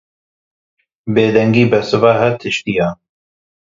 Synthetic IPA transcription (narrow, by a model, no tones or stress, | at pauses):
beːd̪ɛŋɡiːbɛsɨvaːɦɛt̪ʰɨʃt̪ijaː